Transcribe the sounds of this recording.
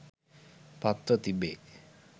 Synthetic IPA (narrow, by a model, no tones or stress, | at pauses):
pat̪ɾot̪ibe